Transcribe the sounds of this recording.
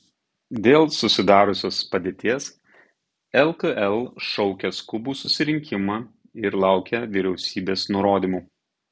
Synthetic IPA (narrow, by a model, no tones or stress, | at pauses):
d̪ʲeːlˠsʊsʲɪd̪ɑːɾʊsʲoːspɐd̪ʲeːt̪ʲiːɛs | ɛlˠkəʔɛlˠʃɔʊkʲɛskʊbuːsʊsʲɪɾʲɪŋʲkʲɪmɑː | ɪɾlˠɑˑʊkʲɛʋʲɪɾʲɛʊsʲiːbʲeːsnʊɾoːd̪ʲiːmuː